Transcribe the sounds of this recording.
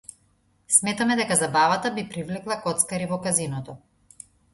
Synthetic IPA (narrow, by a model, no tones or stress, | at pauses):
smɛt̪amɛd̪ɛkazabavat̪abipɾivlɛklˠakɔt̪skaɾivɔkazinɔt̪ɔ